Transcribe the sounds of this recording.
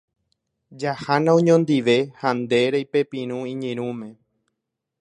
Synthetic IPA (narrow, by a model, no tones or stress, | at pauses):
d͡ʒahanãõɲõnd̪iʋehand̪e̞ɾejpe̞pĩɾ̃ũĩɲẽɾ̃ũmẽ̞